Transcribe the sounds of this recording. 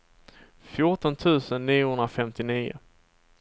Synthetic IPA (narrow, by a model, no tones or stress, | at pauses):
fjʊʈɔnt̪ʰʉ̟ːsənːiːʊhɵnɾafɛmt̪ɪniːʊ̰